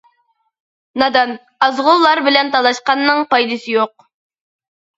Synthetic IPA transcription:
nɑd̪ɑn | ɑzʁʊlˠːɑɾbɪlɛnt̪ʰɑlˠɑʃqɑnːɨŋpɑjd̪ɨsɪjoq̚

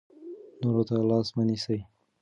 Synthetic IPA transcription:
noɾot̪alɑsmanisaj

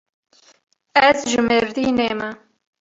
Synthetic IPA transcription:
ɛzʒɨmeɾd̪iːneːmɐ

